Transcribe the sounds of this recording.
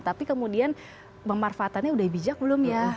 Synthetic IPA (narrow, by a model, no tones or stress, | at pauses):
t̪apikəmudian | məmarfaːt̪anɲaudaibid͡ʒak̚bəlʊmja